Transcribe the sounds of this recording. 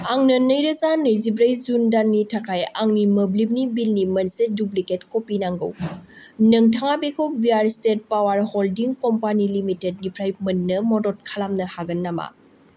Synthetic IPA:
aŋnɐnɐjɾɐzanɐjzibɾɐjzundanːitʰakʰajaŋnimɐblimnibilnimɐnsedupliketkopinaŋɡɯ̰w | nɐŋtʰaŋabekʰow̚biaɾstet̚pawaɾholdiŋkɔmpanilimitet̚nipʰɾajmɐnːɐmɔdɔt̚kʰalamnɐhaɡɐnːama̰

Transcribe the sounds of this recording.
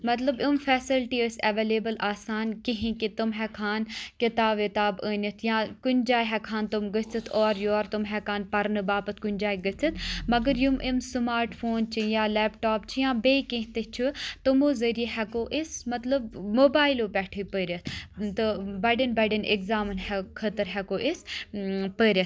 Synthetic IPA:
mɐt̪ləbʊmfɛːsilʈiəsɐʋeːleːbəlaːsaːnkiɦĩkit̪umɦɛːkʰaːnkɪt̪aːʋit̪aːbəːnɐt̪ʰjãːkʊnd͡ʒaːiɦɛkʰaːnt̪ʊmɡət͡sɐt̪ʰɔːɾjoːɾt̪umɦɛkʰaːnpɐɾnɨbaːpət̪ʰkʊnʲd͡ʒaːiɡət͡sɐt̪ʰmɐɡəɾjumʔimsɨmaːɾʈfʰoːnt͡ʃʰijãːlɛːpʈaːpt͡ʃʰijãːbeːkĩɦt̪ət͡ʃʰut̪umoːzəɾijeɦɛkoːʔismɐt̪ləbmoːbaːjiloːpɛːʈʰipəːɾʲɐt̪ʰt̪ɨbɐɖinbɐɖinḛkzaːmnhɛkʰət̪əɾɦɛkoːʔis | pəɾʲɐt̪

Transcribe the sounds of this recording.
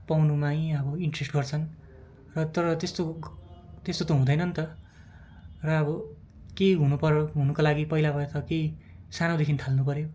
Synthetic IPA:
pawnumaj̃ʌbʌiɳʈresʈɡʌrt͡sʰʌn | rʌt̪ʌɾʌt̪est̪o | t̪est̪ot̪oɦũd̪ʌjnʌnt̪ʌ | rʌːbʌ | kejɦunupʌɾoɦunʌkolaɡipʌilabʱʌet̪ʌkejsanod̪ekʰinit̪ʰalnupʌɾjo

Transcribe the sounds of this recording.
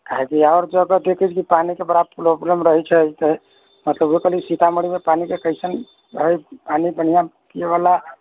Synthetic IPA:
kaɦekiaʊɾd͡ʒəɡəd̪ekʰət͡ʃʰkipanikebəɽapɾoblemɾəɦɛt͡ʃʰɛt̪ə | mət̪ləbokəlisit̪aməɽimepanikekəsən | əjpanibən̤ijãkijeβala

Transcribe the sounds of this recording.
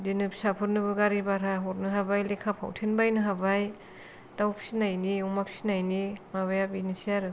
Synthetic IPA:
dinɯpsapʰɯɾnɯbɯɡaɾibaɾaɦɔɾnɯɦabajlekʰapʰa̰wtʰenbajnɯɦabaj | dawpʰsinajniumapʰsi̥najnimaβajapinisiaɾɯ

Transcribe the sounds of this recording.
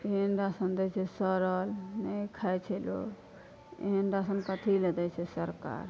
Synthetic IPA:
endasənd̪ɛt͡ʃʰɛsəɾəlnɛikʰajt͡ʃʰɛlo̰ | eɦenɖasənkət̪ʰiled̪ɛt͡ʃʰɛsəɾka̰ɾ

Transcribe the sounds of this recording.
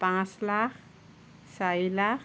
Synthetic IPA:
pãslaχ | sajla

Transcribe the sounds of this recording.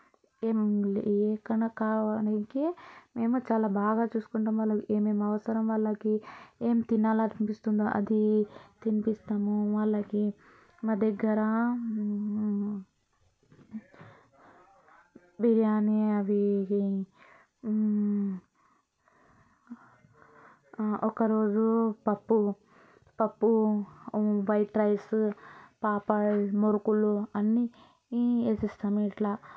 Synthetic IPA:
emlɛːkɐɳakaːʋanɐŋkeme̞ːmut͡ʃaːlaːbaːɡaːt͡ʃuːsu̥kuɳʈamʋɐlːɐkieːmeːmɐʋɐsɐɾɐmʋɐɭːɐkieːmt̪inːaːlaɾimpist̪und̪aʔɐ̰d̪it̪inipist̪aːmuʋɐɭːɐki | maːd̪ɛɡːɐɾɐ | biɾjaːniɐʋiki | ɔkɐɾo̞ːd͡ʒupɐpːu | pɐpːu | ʋɐjʈɾɐjs | paːpɐmoɾukuluɐnːi | esist̪ɐmiʈlɐ

